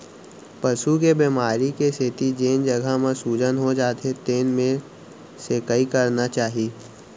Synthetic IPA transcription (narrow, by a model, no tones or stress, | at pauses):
pɐʃukebimaːɾikeset̪id͡ʒeːnd͡ʒɐɡʱamẽsuːd͡ʒənɦod͡ʒaːt̪et̪eːnmẽ | sekəikɐɾnat͡ʃaːɦiː